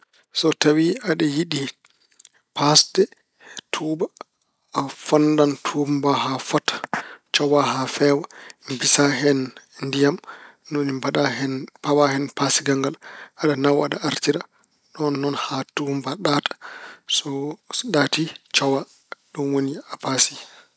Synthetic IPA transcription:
sɔtawiaɗɛjiɗi | pasdɛ | tʰuːbaː | fɔndantʰumbahafatḁt͡ʃɔwaɦafɛwambisaɦɛnndijam | nonimbaɗahɛnpawahɛnpasiɡaŋɡalʔaɗanawaɗaʔaɾtiɾa | ɗɔnːɔnhatumbaɗatḁsɔɗatit͡ʃɔwa | ɗɔnwoniapasi

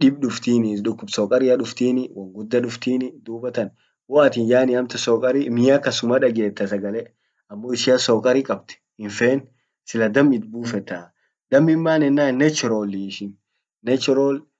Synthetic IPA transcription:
ᶑɪbɗʊft̪iːnɪɗʊkːʊbsɔːkʼɐɾɪɐᶑʊft̪iːnɪwɐŋɡʊd̪ːɐᶑʊft̪iːnɪd̪uːbɐt̪ɐn | wɔɐt̪iːnjaːnɪɐmt̪ɐsoːkʼɐɾimɪjakɐsʊmaᶑɐɡe̞ːt̪ːɐsɐɡɐlɛ | ɐmːoːɪʃɪɐsoːkʼɐɾikʼɐb̚t̪ɛ̥ | ɪnfeːn | sɪlɐd̪ɐmːɪt̪̚buːfɛt̪ːɐ | d̪ɐmːɪmːaːnɛnːaːnːɛt͡ʃːɾoːliʃɪn | nɛt͡ʃːɪɾoːl

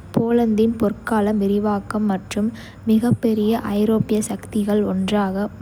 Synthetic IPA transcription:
poːlɐnd̪ɪnpɔrkaːlɐmʋɪɾɪʋaːkɐmːɐʈrɯmː | ɪɣɐpːɛɾɪjɐʔɐɪɾoːpɪjɐsɐkt̪ɪɣɐɭɔndraːɣɐm

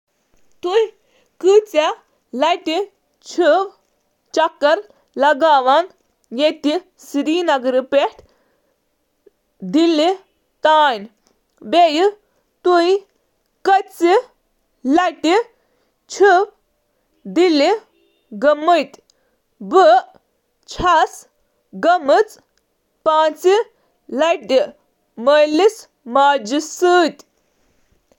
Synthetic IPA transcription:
t̪uj | kɨt͡sa | lɐʈi | t͡ʃʰup | t͡ʃɐkːɐɾ | lɐɡaːʋan | jet̪i | sɾiːnɐɡɾipeʈ | d̪ili | t̪aːjn | beji | t̪uj | kət͡si | laʈi | t͡ʃʰup̚ | d̪ili | ɡɐmət̪ʲ | bə | t͡ʃʰas | ɡəmɨt͡s | pat͡si | laʈi | məlis | maːd͡ʒisɨt̪ʲ

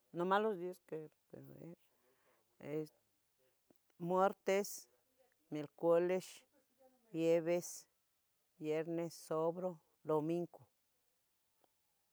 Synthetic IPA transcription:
nomalosd̪iaskepḛɾḛɾ | e | mweɾt̪es | melkʷeleʃ | bjeβes | bjeɾnesːoβɾo | d̪omiŋku

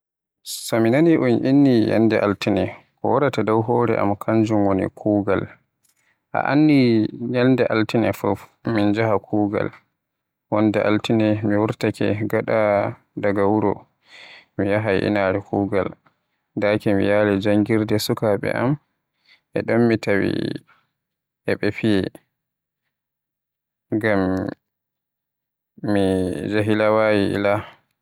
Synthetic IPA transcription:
sɔminaniʔunʔinːija̰ndɛʔaltinɛkɔwaɾatadawɦɔːɾɛ̰ʔa̰mkʰaɲd͡ʒumwonḭkʰuːɡal | ʔa̰ʔanːijandɛʔaltinɛfufmind͡ʒaɦakʰuːɡa̰l | wɔndɛʔa̰ltinɛmiwuɾtakɛ̰ɡaɗa | daɡawuɾɔ | mijaɦajʔḭnaɾɛkʰuːɡa̰l | dakɛmijaːlɛd͡ʒaŋɡiɾdɛsukaɓɛ̰ʔam | ʔɛɗɔmmitawḭ | ʔɛɓefijɛ | ɡam | id͡ʒaɦilawaːjiʔḭla

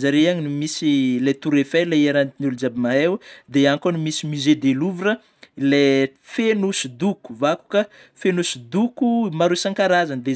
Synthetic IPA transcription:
zaɾeaɲinumisilet̪uɾefeleaɾant̪inulud͡ʒabimaɦewd̪eankonimisimized̪eluvuɾə | lefenusud̪uku̥vaku̥ka | fenusud̪ukumaɾusaŋkaɾazand̪e

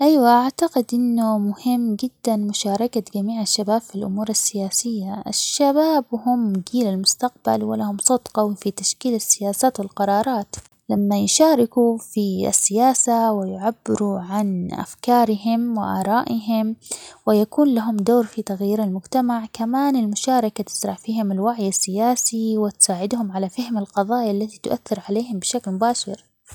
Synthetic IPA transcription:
ʔajwaʔaʕt̪aqɪd̪ʔɪnːʊmʊhɪmːd͡ʒɪd̪ːanmʊʃɑːɾˤɑkaɡamiːʕaʃːabaːb̥filʔʊ̰muːɾˤasːɪjaːsɪjːaa̰ʃːabaːbhʊmɡiːlalmʊst̪aq̚ba̰lwɪ̰lahʊmsˤɑd̪qɑwɪfit̪aʃkiːlasːɪjaːsaːt̪wɪlqɑɾˤɑːɾˤɑːt̪ | lamːajʃaːɾɪkufia̰sːɪjaːsawɪjʕabːɪɾuʕanʔa̰fkɑːɾɪɦɪmwɪ̰ʔaːɾˤɑːʔɪɦɪmwɪjakuːnlaɦʊmd̪oːɾfit̪aɣjiːɾalmʊd͡ʒt̪amaʕkamaːnɪlmʊʃaːɾˤɑkat̪ɪ̥sɾˤɑʕfiːhɪmɪlwaʕjasːɪjaːsiwɪt̪saːʕɪd̪hʊmʕalafahɪmalqɑðˤɑːjaʔlːat̪it̪ʊʔaθːɪɾʕaleːhɪmbɪʃaklmʊbaːʃɪɾ

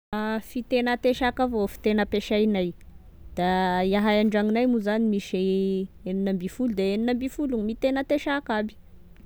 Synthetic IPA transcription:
fit̪enət̪eʃakavofi̥t̪enəpeʃajnaj | d̪̥aiaɦajaɳɖ͡ʐaŋinajmuzanimiʃeeninəmbifulud̪eeninəmbifulumit̪enət̪eʃakabi̥

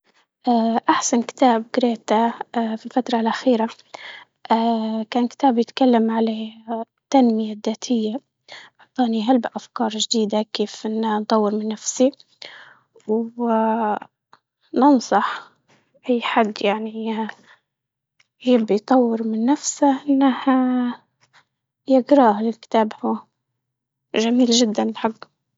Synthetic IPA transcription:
ʔaʔaħsankɪ̥t̪aːbɡɾeːt̪afilfat̪ɾˤɑlʔaxiːɾa | ʔakaːnkɪ̥t̪aːbjɪt̪kalːamʕala | t̪ːanmɪjad̪ːaːt̪ʰɪjːa | ħʊ̥t̪ˤːɑːniɦalbaʔafkɑːɾˤʒd̪iːd̪akeːfʔɪnːant̪ˤɑwːɪɾmɪnːafsi | w | nɨnsˤɑħ | ʔajːħad̪ːjaʕni | jɪbːijt̪ˤɑwːɪɾmɪnːafsaʔɪnːah | jɪɡɾɑːhlɪlkɪ̥t̪aːbha | ʒamiːlʒɪd̪ːanlħaɡː

